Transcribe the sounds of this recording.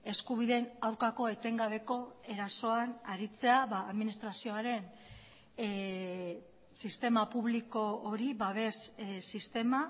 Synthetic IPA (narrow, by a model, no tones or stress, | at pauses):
e̞skuβ̞iðe̞nawɾkako̞e̞t̪e̞ŋɡaβ̞e̞ko̞e̞ɾaso̞anaɾit͡se̞aβaːðminist̪ɾasio̞aɾe̞n | sist̪e̞mapuβliko̞oɾiβaβe̞ssist̪e̞ma